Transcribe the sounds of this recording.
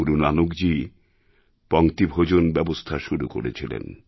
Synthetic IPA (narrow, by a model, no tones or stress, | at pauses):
uɾunanokd͡ʑi | pɔŋt̪ibʱod͡ʑonbɛbost̪ʰaʃuɾuko̰ɾet͡ɕʰilḛn